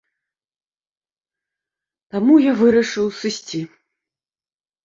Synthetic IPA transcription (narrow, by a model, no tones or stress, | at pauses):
t̪amujavɨɾɐʂɨwsɨsʲt͡sʲi